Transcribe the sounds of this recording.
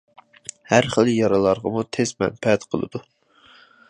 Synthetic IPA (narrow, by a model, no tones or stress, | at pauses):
hæɾχəlˠjɑɾɑlˠɑɾʁɑmut̪ʰezmɛ̰npʰɛt̪qʰəlˠɨ̰d̪̥u